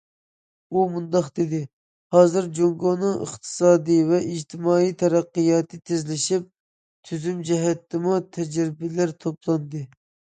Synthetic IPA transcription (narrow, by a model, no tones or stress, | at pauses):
umund̪ɑχd̪ɪd̪ɪ | hɑːzɨɾd͡ʒoŋɡonɨŋʔə̰χt̪ʰɨ̥sɑːd̪ɨvɛʔid͡ʒt̪ʰɪmɑːijt̪ʰɛɾæqːɨjɑːt̪ʰɨt̪ʰezlɪʃip̚ | t̪ʰyzymd͡ʒɛɦɛt̪ːɪmut̪ʰɛd͡ʒɾɪbɪlæɾt̪ʰoplˠɑnd̪ɨ